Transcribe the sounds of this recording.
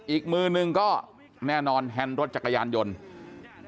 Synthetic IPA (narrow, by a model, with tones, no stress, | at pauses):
ʔiː˨˩k̚mɯː˧nɯ˧ŋkɔː˥˩ | nɛː˥˩nɔː˧nɦɛ˧nɾo˦˥t̪̚t͡ɕa˨˩ka˧jaː˧njo˧n